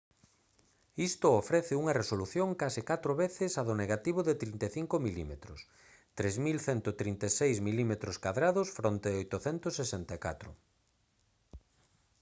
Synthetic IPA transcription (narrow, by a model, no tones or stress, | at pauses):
ist̪ʊofɾɛθɪuŋɐresoluθjoŋkasɪkat̪ɾoβeθɪsaðoneɣat̪iβoðɪt̪ɾint̪eθiŋkomilimet̪ɾʊs | t̪ɾezmilθɛnt̪ot̪ɾint̪esejzmilimet̪ɾoskaðɾaðosfɾont̪eojt̪ʊθɛnt̪osːesɛnt̪ekat̪ɾʊ̰